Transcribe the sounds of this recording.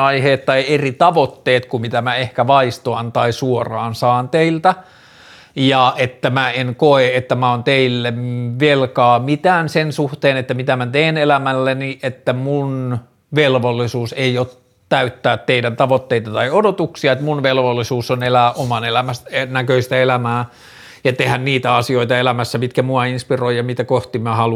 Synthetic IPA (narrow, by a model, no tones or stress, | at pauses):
ɑiheːt̪t̪ɑierit̪ɑʋot̪ːeːt̪kumit̪æmæehkæʋɑist̪oɑnt̪ɑisuorɑːnsɑːnt̪eilt̪æ | jɑet̪ːæmæenkoeet̪ːæmæont̪eilːemʋelkɑːmit̪æːnsensuht̪eːnet̪ːæmit̪æmæt̪eːnelæmælːeniʔet̪ːæmun | ʋelʋolːisuːseiot | t̪æyt̪ːæːt̪teidænt̪ɑʋot̪ːeit̪ɑt̪ɑiodot̪uksiɑet̪munʋelʋolːisuːsonelæːʔomɑnelæmæsenækøist̪æelæmæː | jɑt̪ehænniːt̪æɑsioit̪ɑelæmæsːæpit̪kæmuɑinspiroijjɑmit̪ækoht̪imæhɑlu